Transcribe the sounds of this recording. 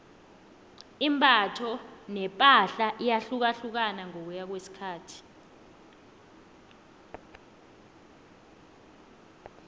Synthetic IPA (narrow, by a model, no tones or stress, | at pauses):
imbʱʼatʰɔnɛpʼaɬaʔijaɬuk̬aɬuk̬anaŋok̬ujak̬wesi̥kʰaːtʰi̥